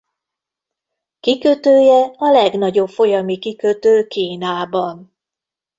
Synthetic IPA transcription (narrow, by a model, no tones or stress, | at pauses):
kikøt̪øːjɛɒlɛɡn̪ɒɟo̞pfo̞jɒmikikøt̪øːkiːnaːbɒn